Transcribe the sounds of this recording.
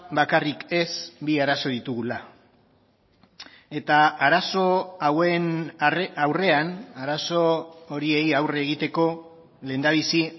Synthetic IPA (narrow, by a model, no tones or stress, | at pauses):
bakarike̞sbiaɾaso̞ðit̪uɣula | e̞t̪aːɾaso̞awen | awre̞anaɾaso̞ːɾie̞jawreeɣit̪e̞ko̞ | le̞ːnd̪aβisi